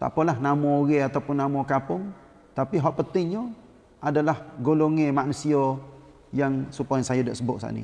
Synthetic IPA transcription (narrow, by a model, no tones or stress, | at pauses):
t̪a̰pɔlahnamɔɣɛat̪awpʊnːamɔkapʊŋ | t̪apiɦɔʔpənt̪ɪŋɲo | adalahɡoloŋemaʔnusiɔ | jaŋsupajaŋsajodaʔsəbʊʔ̚sa̰ʔnḭ